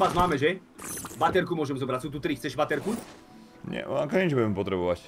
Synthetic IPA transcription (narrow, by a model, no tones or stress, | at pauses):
azmaːmɛʒɛ | ʋat̪ɛɾkumʊɔʒɛmzɔbɾacsuːt̪̬ut̪ɾixt͡sɛʒʋat̪ɛɾku | ɲɛ̰akɔɲɛt͡ʃbuɟɛmɛpɔt̪ɾɛbɔʋac